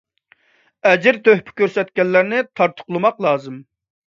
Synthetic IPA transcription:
ɛd͡ʒɪɾt̪ʰøhpʰɪ̥kʲøɾsɛt̪kʲɛlːæɾnɪt̪ʰɑɾt̪ʰʊ̥qlˠɨmɑqlˠɑːzɨm

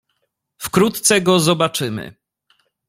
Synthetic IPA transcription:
fkɾut̪t̪sɛɡɔzɔbat͡ʂɘmɘ̰

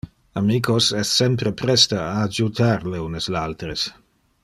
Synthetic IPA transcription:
amiːkʰosɛsːɛmpɾepɾɛst̪aaːd͡ʒut̪ʰaɾleuneslalt̪ɾes

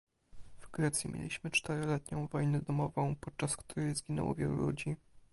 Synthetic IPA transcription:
vɡɾɛt̪sʲjimʲjḛlʲiɕmɘt͡ʂt̪ɛɾɔlɛt̪ɲɔ̃w̃vɔjnɛd̪ɔmɔvɔ̃w̃pɔt̪̚t͡ʂaskt̪uɾɛjzɡʲinɛ̰wɔ̰vʲjɛlṵlud͡ʑi

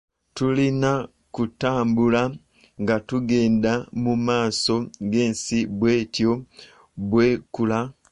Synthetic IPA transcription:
tulina | kutaːmbula | ŋɡatuɡe̞ːndamumaːso̞ɡe̞ːnsibwe̞ːtjo̞ | bwe̞ːkula

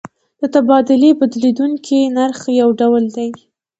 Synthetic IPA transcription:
d̪̥ət̪abɑd̪ʊlebad̪lid̪uŋkʰinaɾxjawɖawəld̪aj

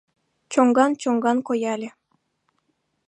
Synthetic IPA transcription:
t͡ɕoŋɡɑnt͡ɕoŋɡɑnkojɑlʲĕ

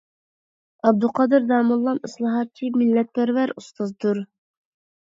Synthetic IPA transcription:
ɑb̚d̪uqʰɑd̪ɨɾd̪ɑːmɨlˠːɑnɨslˠɑɦɑt̪̚t͡ʃʰimɪlːɛt̪̚pæɾvæɾust̪ɑzd̪uɾ

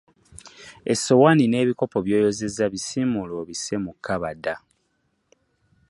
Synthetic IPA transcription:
esːo̞wanine̞ːβiko̞po̞βjo̞ːjo̞ze̞zaβisimuloβise̞mukʰːaβada

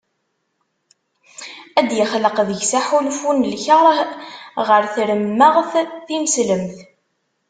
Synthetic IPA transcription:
æd̪jəχləqðəʝsæħulfunlçɑɾˤ | ʁəɾθɾəmːəʁθθiməsləmθ

